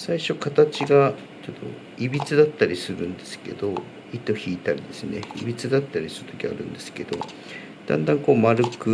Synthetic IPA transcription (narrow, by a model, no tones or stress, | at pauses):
saiɕo̞kat̪at͡ɕiɡa | t͡ɕod̪o̞̰ | ibʲit͡sɨd̪at̪ːaɾʲisɨɾɯ̟̃nd̪e̞sɨ̥ke̞̰d̪̥o̞ | it̪ːo̞çiːt̪aɾʲid̪e̞sɨne̞̰ibʲit͡sɨd̪at̪ːaɾʲisɨɾɯ̟t̪o̞̥kʲia̰ɾɯ̟̃nd̪e̞sɨ̥ke̞d̪o̞̰ | d̪̥ã̰nd̪ãŋko̞ːmaɾɯ̟kɯ